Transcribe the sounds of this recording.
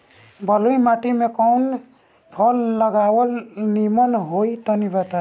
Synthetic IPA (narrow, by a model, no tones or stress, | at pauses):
bəluimaʈimekɔʊn | pʰɔlːəɡawəlnimənɦoit̪ɔnibət̪a